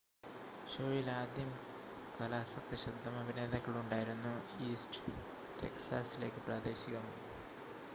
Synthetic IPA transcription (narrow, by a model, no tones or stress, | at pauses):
ɕoːɭilaːd̪jɐm | kɐlaːsɐt̪ːɐɕɐd̪ʱːɐmɐbʱine̞ːd̪ɐkːɐɭuɳɖaːjiɾunːu | iːsʈ | ʈe̞̰ksaːsile̞ːkːɨpraːd̪e̞ːɕiɣɐm